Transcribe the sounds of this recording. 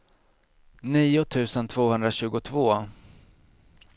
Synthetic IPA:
niːʊt̪ʰʉ̟ːsənt̪ʰv̥oːhɵnd̪ɾaɕʉ̟ːɡʊt̪ʰvoː

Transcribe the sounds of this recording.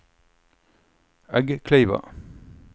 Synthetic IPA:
æɡəkʰleɪʋɑ̰

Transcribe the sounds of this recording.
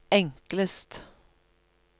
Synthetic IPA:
ɛŋkləst̪

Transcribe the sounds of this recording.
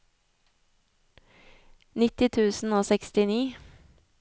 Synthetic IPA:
nɪt̪ɪt̪ʰʉːsn̩oːsɛkst̪ɪniː

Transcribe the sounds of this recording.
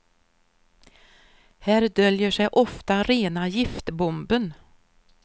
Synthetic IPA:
hæːɾd̪œljəʂɛjʔɔft̪aɾeːnajɪft̪bɔmbən

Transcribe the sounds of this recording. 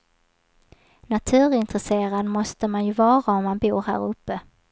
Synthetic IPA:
nat̪ʰʉ̟ːɾɪnt̪ɾɛseːɾad̪mɔst̪əmanjɵvɑːɾaɔmmanbuːɾhæ̰ːɾɵpːə

